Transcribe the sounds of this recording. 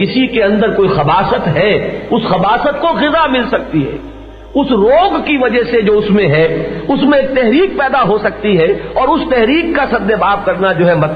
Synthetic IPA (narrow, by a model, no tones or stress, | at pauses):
kɪsikeɐ̃nd̪əɾkoːixɐbaːsət̪ɦɛʊsxɐbaːsət̪̚koɣɪzamɪlsɐk̚t̪iɦɛ̰ː | ʊsɾoːɡkiʋɐd͡ʒɛɦsed͡ʒoːʊsmẽɦɛʊsmẽeːk̚t̪ɛɦɾiːk̚pɛːd̪aɦosɐk̚t̪iɦɛɔːɾʊst̪ɛɦɾiːkːasɐd̪ːebaːb̚kɐɾnad͡ʒoːɦɛmɐt̪